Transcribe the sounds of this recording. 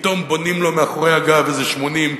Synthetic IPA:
t̪o̞mbonimlo̞meaχoʁejhaɡavezeʃmo̞nim

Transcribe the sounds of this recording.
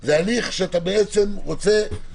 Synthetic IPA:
zealiχʃeat̪abeet͡se̞mʁot͡se̞

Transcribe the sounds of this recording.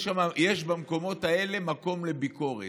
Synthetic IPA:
ʃamajeʃbamko̞mo̞tae̞le̞mako̞mle̞biko̞ʁḛ

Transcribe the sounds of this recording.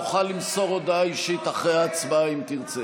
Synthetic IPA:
uχalːimsoʁod̪aiʃit̪aχʁejaːt͡sbaimt̪iʁt͡se

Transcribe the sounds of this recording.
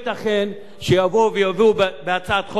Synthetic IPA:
t̪aχen | ʃejavovejaviubbeat͡sat̪χo

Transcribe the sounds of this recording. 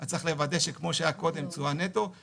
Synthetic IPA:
at͡saχle̞vad̪eʃekmo̞ʃeajako̞d̪e̞mt͡suanet̪o

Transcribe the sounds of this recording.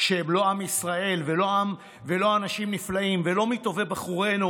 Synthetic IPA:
ʃeemlo̞amisʁae̞lvelo̞am | ve̞lo̞anaʃimniflaimve̞lo̞mito̞ve̞baχuʁe̞nu

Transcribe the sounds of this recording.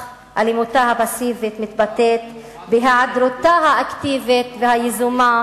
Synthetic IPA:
ʔa̰limut̪ahabasivit̪mit̪bat̪et̪ | beɦaʕad̪ɾot̪aɦaʔakt̪ivit̪veɦajezuma

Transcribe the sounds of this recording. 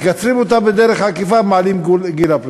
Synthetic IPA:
jat͡sʁimot̪abed̪eʁeχhakifamaːlimɡɡilapl

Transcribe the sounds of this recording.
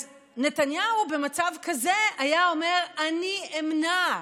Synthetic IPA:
netanjahube̞mat͡savkazeajao̞me̞ʁaniemna

